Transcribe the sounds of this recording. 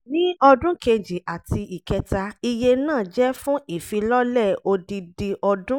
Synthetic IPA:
nĩ˦ɔ˧dũ˦ke˧d͡ʒi˨ʔa˨ti˧i˨kɛ˧ta˧i˧je˧nãː˦˨d͡ʒɛ˦fũ˦i˦˨fĩ˧lɔ˦lɛ˦˨o˧di˧di˧ʔɔ˧dũ˦

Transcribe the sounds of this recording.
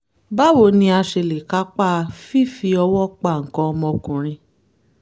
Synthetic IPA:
ba˦wo˨nĩ˧a˧ʃe˧le˨ka˨˦k͡pa˦˧fi˦˨fi˧ɔ˧wɔ˦k͡pa˦˨ŋ̩˨kɔ̃˧ɔ˧mɔ̃˧kũ˨ɾ̃ĩ˧

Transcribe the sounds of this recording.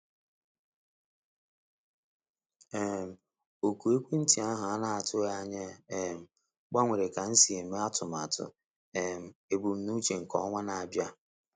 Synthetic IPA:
e˦˨m̩˨ | o˨ku˨e˦kʷe˦n̩˦ti˨a˦ɦa˨a˦na˦a˨tʊ˦a˦ɲe˦e˨m̩˨ | ɡ͡ba˦ŋʷe˨ɾe˨ka˨n̩˦si˨e˨me˦a˦tʊ˨m˨a˨tʊ̰˨ | e˨m̩˨e˨bu˨m̩˨nu˦t͡ʃe˨ŋ̩˨kɔ̰˦ŋʷa˦na˨a˨bja˦

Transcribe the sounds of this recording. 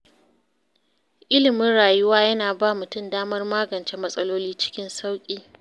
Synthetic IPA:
ʔɪ˦lɪ˨mɪ˦nɽaː˨jʊ˦waː˦jɐ˦naː˨baː˦mʊ˨tʊ˦mdaː˦mɐ˦rmaː˦ɡɐ˨nt͡ʃe˦mɐ˦sʼɐ˦loː˦liː˦t͡ʃɪ̥˦kʲɪ˦nsa˦wkʲʼiː˦

